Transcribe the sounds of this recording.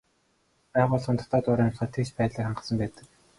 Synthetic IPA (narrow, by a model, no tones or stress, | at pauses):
pæːʁʊːɮχə̆nt̪ʰɔ̥t̪ʰɔːt̪ʊɾæːmχə̆ːt̪ʰet͡ɕpæːt̪ɮiːkχaɴɢə̆sə̆mpæːt̪ə̥̆k̚